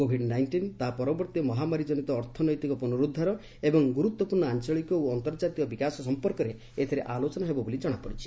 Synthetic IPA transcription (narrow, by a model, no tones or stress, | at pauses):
kobʱiɖnajnʈint̪aɦpɔɾɔbɔɾt̪jɔmɔɦamaɾid͡ʒɔnit̪ɔːɾt̪ʰɔnɔjt̪ikɔpɔnuɾud̪ʱːaɾɔ | ebɔŋɡuɾut̪wɔpuɾɳɔant͡ʃɔɭikɔuɔnt̪ɔɾd͡ʒat̪iɔbikasɔsɔmpɔɾkɔɾe | et̪ʰɔɾeʔalot͡ʃɔnaɦebɔbolid͡ʒɔɽ̃apɔɽit͡ʃʰi̥